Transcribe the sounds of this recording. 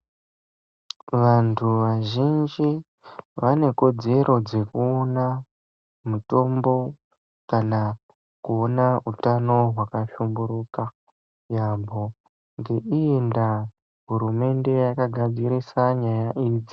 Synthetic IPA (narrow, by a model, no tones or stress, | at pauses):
ʋantʰuʋaʒind͡ʒi | ʋane̞ko̞d͡ze̞ɾo̞d͡ze̞kuona | muto̞mbo̞ | kana | kuonaɦutano̞ɦwakaʃumbuɾuka | jabʱo | ŋɡe̞ʔienda | ɦuɾume̞nde̞jakaɡʱad͡ziɾisaɲajaʔiːd͡zi